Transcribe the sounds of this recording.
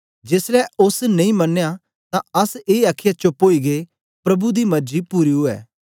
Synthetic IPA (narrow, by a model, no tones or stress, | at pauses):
d͡ʒeːsɾɛʔʊsnɐ̃ĩmɐnːeja | t̪ãɐseːaːkʰːɪjat͡ʃopːoːiɡe | pɾɐbud̪imɐɾd͡ʒipuːɾiɦʊɛ̰ː